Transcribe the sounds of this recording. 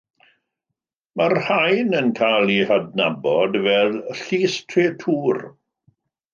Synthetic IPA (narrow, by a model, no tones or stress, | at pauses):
marhajnənkʰalˠihadnabɔdvɛðɬiːstʰreːtʰuːr